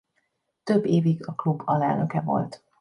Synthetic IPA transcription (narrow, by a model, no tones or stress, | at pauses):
t̪ø̞bːeːviɡɒklubːɒlɛlnøkɛvo̞̰lt̪